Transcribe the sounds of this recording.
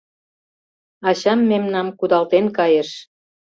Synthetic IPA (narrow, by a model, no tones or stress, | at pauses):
ɑɕɑmːemnɑmkud̪ɑlt̪enkɑjeʃ